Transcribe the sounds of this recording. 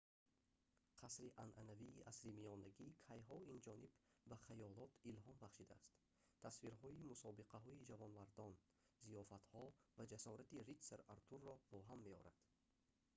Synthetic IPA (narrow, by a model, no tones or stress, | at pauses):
qʰasɾiʔanʔanaviːʔasɾimiɔnaɡiːkʰajɦɔind͡ʒɔnibbaχajɔlɔt̪ilɦɔnbaχʃid̪aːst̪ | t̪ʰːasfiɾɦɔimusɔbiqʰaɦɔid͡ʒavɔnvaɾd̪ɔn | zijɔfat̪hɔvad͡ʒasɔɾat̪irit̪seɾaɾt̪ʰurːɔb̥ɔɦamːeɔ̰ɾad̪̥